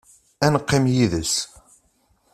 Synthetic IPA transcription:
ænqːimjiðəs

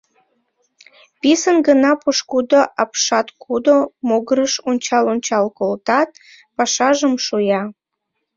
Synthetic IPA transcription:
pisənɡənɑpuʃkud̪oʔɑpʃɑt̪kʰud̪omoɣəɾəʃonʲt͡ɕɑlonʲt͡ɕɑlkolt̪ɑt̪̚ | pɑʃɑʒəmʃujɑ

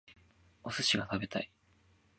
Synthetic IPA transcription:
osɨɕiɡat̪abe̞t̪ai

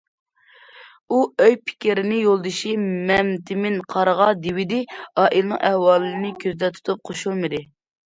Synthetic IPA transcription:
uøjpʰɪ̥kʲiɾɪnɪjolˠd̪ɨʃimɛmt̪ʰɪmɪnqʰɑɾəʁɑd̪ɪwɪd̪ɪɑːʔilˠɨnɨ̰ŋʔɛhwɑːlˠɨnɪkʲʰøzd̪ɛt̪ʰu̥t̪ʰup̚qʰoʃulˠmɨd̪ɪ

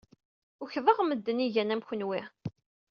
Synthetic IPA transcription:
ʊçðˤəʁməd̪ːəniʝænæmçənwɪ

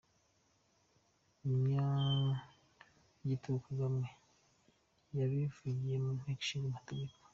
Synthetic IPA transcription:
imɲa | ɟitukaɡamwe | jaβivuɟijemun̥heki̥ʃiamateɟeko̥

